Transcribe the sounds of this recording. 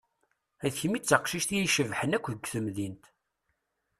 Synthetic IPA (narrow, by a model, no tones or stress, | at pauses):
æðçəmit͡sːəqʃiʃt̪ijiʃəvħənækʷːðəɡʷθəmðint̪